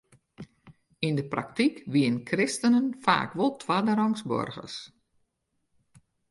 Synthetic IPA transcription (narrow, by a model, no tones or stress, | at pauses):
indəpra̰k̚tikʋiənkʰrɪstənənfa̰ːkʋɔlˠtʰʋadəɾɔŋsbɔ̰rɣə̰s